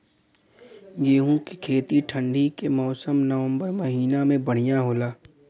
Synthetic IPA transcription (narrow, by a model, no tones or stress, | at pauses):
jeːɦũkekʰeːt̪iʈʰə̃ɳɖʱikemɔːsəmnəʋə̃mbəɾmɐɦiːnamẽbəɽ̤ijaɦoːlaː